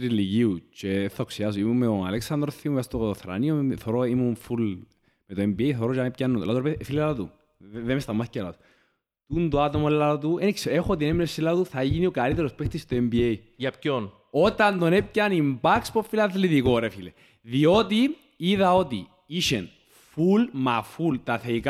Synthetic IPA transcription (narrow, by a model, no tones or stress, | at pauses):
t̪ɾiliʝiut͡ʃefθaoksiɐs̬oimumːeoa̰leksɐnd̪ɾoθiumst̪oθɾa̰nioθoɾoimuɱful | met̪oembiejθoɾot͡ʃanepcanːulat̪uɾefilaɐt̪ṵ | ðemest̪ɐmːɐθi̥cːela̰t̪u̥ | t̪und̪oat̪omoelːat̪uenikseexot̪ineminesilːat̪uθɐʝiniokalit̪eɾospext̪ist̪oembiej | jɐpcon | ot̪ɐnd̪onep̚canimbakspofːilɐðliðikoɾefilḛ | ðiot̪i | iðɐo̞t̪i | iʃen | fulmafult̪aθeika